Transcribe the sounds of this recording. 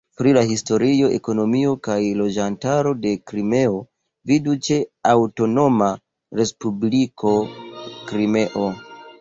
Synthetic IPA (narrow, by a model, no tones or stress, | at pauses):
pɾilahisto̞ɾio̞ʔe̞̰ko̞no̞mio̞kajlo̞d͡ʒantaɾo̞de̞kɾime̞o̞ | vidut͡ʃe̞awto̞no̞ma | ɾe̞spublikʰo̞kɾime̞ʔo